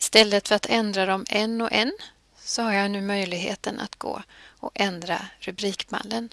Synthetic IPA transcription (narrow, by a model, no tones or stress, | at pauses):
ɪst̪ɛlːət̪fœɾat̪ʰɛnd̪ɾad̪ɔmɛnːɔʔɛn | sɔhaɾjanʉ̟ːmœjlɪɡɦḛːt̪ənʔa̰t̪ɡ̥o̰ːɔʔɛnd̪ɾa̰ɾɵbɾiːkma̰lːən